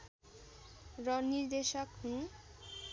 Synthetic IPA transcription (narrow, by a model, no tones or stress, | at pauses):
ɾɔniɾd̪eʃɔkhũ